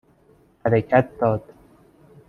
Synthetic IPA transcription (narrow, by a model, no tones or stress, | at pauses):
hæɾecʰæt̪̚d̪ɒːd̪̥